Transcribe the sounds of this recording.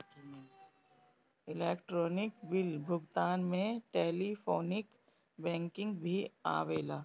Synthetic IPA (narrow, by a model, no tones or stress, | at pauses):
ɪleːkʈɾoːnɪkbɪlbʱʊɡt̪aːnmẽʈeːlipʰoːnɪk | bɛ̃ːŋkɪ̃ŋɡbʱia̰ːʋeːlaː